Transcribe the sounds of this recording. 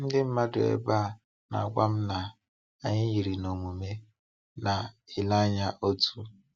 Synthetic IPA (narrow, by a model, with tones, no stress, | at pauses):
n̩˦dɪ˦m̩˦ma˦dʊ̰˨ḛ˦ba˦˨ | na̰˨a˨kʷa˦m̩˦na˨ | a˦˨ɲɪ˦ɦi˨ɾi˨no˨mu˨me˦ | na˨ɪ˨la˦ɲa˦ʔo˦tu˦